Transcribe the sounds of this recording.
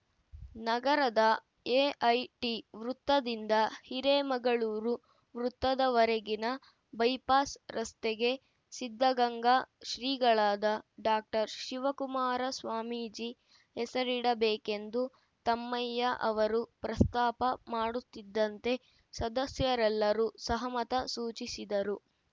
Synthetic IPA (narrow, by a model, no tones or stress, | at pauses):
nɐɡɐɾɐd̪ɐ | eːʔɐjʈiʋɾut̪ːɐd̪ind̪ɐhiɾemɐɡɐɭuːɾu | ʋɾut̪ːɐd̪ɐʋɐɾeɡinɐ | bɐjpaːsɾɐst̪eɡe̞ | sid̪ʱːɐɡɐŋɡaːʃɾiːɡɐɭaːd̪ɐɖaːk̚ʈɐɾʃiʋɐkumaːɾɐsʋaːmiːd͡ʒi | ɦɛsɐɾiɽɐbeːke̞nd̪u | t̪ɐmːɐjːɐʔɐʋɐɾupɾɐst̪aːpɐmaːɽut̪ːid̪ːɐnt̪e̞ | sɐd̪ɐsjɐɾɛlːɐɾusɐɦɐmɐt̪ɐsuːt͡ʃisid̪ɐɾu